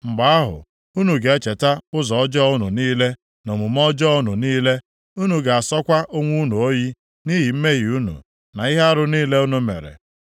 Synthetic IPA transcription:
ŋ͡m̩˨ɡ͡ba˨˦a˦ɦʊ̰˨ | u˦nu˨ɡe˨e˦t͡ʃe˨ta˦ʊ˦zɔ˨ɔ˦d͡ʒɔ˦ʊ˦nu˨niː˦le˦ | no˨mu˨mɔ˦d͡ʒɔ˦ʊ˦nu˨niː˦le˦ | u˦nu˨ɡa˨a˨sɔ˦kʷa˦ʔo˦ŋʷu˦nu˨o˦ji˦ | ni˦ɦi˨m̩˦me˦ɦi˨u˦nṵ˨ | na˨i˦ɦe˦a˦ɾʊ˦niː˦le˦u˦nu˦mḛ˨ɾḛ˨

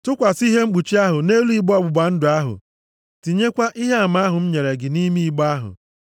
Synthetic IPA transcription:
tʊ˦kʷa˨si˦ɦe˦ŋ͡m̩˦ɡ͡bu˨t͡ʃi˦a˦ɦʊ˨ne˦lu˦i˦ɡ͡bɔ˦ɡ͡bʊ˨ɡ͡ba˨n̩˦dʊ˨a˦ɦʊ̰˨ | ti˨ɲe˦kʷa˦ʔi˦ɦe˦a˨ma˦a˦ɦʊ˨m̩˦ɲe˨ɾe˨ɡɪ˨ni˦mi˦i˨ɡ͡ba˦ɦʊ̰˨

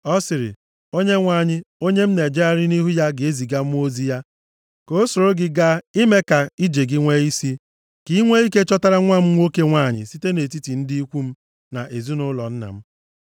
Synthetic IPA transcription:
ɔ˦sɪ˨ɾɪ̰˨ | o˦ɲe˦ŋʷaː˦˨ɲɪ˦o˦ɲe˦m̩˦ne˨d͡ʒe˦a˦ɾɪ˦ni˦ɦu˦ja˦ɡɪ˨e˦zi˨ɡa˦m̩˦o˦zi˦ja˦ | ko˦so˨ɾo˦ɡɪ˦ɡa˦i˦me˦ka˨i˦d͡ʒe˨ɡɪ˦ŋʷe˦i˦si˦ | ki˦ŋʷe˦i˦ke˦t͡ʃɔ˦ta˦ɾa˦ŋʷa˦m̩˦ŋʷo˦ke˦ŋʷaː˦˨ɲɪ̰˨si˦te˦ne˨ti˦ti˨n̩˦di˦i˦kʷu˦m̩˦ | na˨ʔe˨zu˦nʊ˦lɔ̰˨n̩˦na̰˨m̩˦

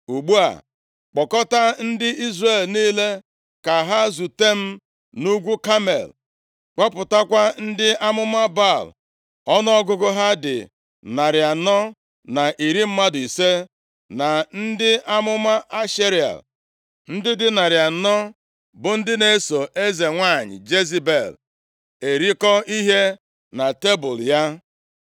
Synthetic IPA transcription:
u˨ɡ͡bu˦a̰˨ | k͡pɔ˨kɔ˦ta˦n̩˦dɪ˦i˦zre˦˨lniː˦le˦ | ka˨ɦa˦zu˨te˦m̩˦ | nu˦ɡʷu˦ka˦mḛ˨l | k͡pɔ˦pʊ˨ta˦kʷa˦n̩˦dɪ˦ʔa˦mʊ˦ma˦ba˦˨l | ɔ˦nɔ˦ɔ˦ɡʊ˦ɡʊ˦ɦa˦dɪ̰˨ | na˨ɾja˨nɔ˦ | na˨ʔi˨ɾi˦m̩˦ma˦dʊ˨i˨se˦ | na˨n̩˦dɪ˦ʔa˦mʊ˦ma˦ʔa˦ʃe˦ɾi˨a̰˨l | n̩˦dɪ˦dɪ˦na˨ɾja˨nɔ˦ | bʊ˨n̩˦dɪ˦ne˨˦so˨ʔe˦ze˨ŋʷa˦˨ɲɪ̰˨d͡ʒe˦zi˦be˨l | e˨ɾi˦kɔ˦i˦ɦe˦ | na˨te˦bʊ˨lja˦

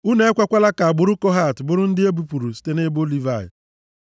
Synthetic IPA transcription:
u˦ne˦e˦kʷa˦kʷa˦la˦ka˨a˨ɡ͡bʊ˦ɾʊ˦kɔ˦ɦa˦˨tbʊ˦ɾʊ˦n̩˦dɪ˦e˦bu˨pu˨ɾu˨si̥˦te˦ne˦bo˦li˦va˦˨jɪ̰˨

